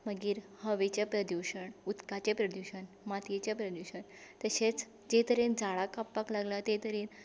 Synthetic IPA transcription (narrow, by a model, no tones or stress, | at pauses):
məɡiːɾhəʋet͡ɕepɾəd̪juɕəɳut̪kat͡ɕepɾəd̪uɕəɳ | mat̪jet͡ɕepɾəd̪uɕəɳt̪əɕet͡s | d͡ʑet̪əɾind͡zaɭakapːaklaɡlat̪et̪əɾin